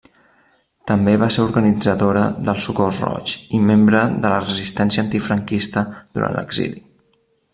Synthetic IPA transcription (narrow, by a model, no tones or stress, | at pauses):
t̪əmbeβaseɾuɾɣənid͡zəðoɾəðəlˠsukosrɔ̰t͡ʃimembɾəðələrəzist̪ɛnsiənt̪ifɾəŋkist̪əðuɾa̰nlə̰ɡzḭli